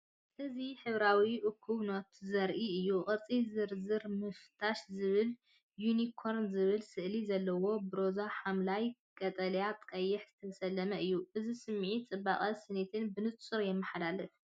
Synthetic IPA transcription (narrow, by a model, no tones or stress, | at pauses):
ʔɨziħɨβɾawiʔʊkʰːuβnot̪zɐɾʔiɨjːuχʼɐt͡sʼizɨɾzɨɾmɨft̪ʰaʃzɨβɨl | junikʰo̞ɾnzɨβɨlsɨʔlizɐlːɐwo̞bɨɾo̞zaħamlajkʼɐt̪ʼɐljat̪ʼkʼɐjːɪħz̥ɨt̪ʰɐsɐlːɐmɐɨjːuʔɨzisɨmːʕit͡sʼɨbaχʼɐsɨnet̪ʰɨnbɨnɨt͡sʼɨɾjɛmːɨħad̪alɨf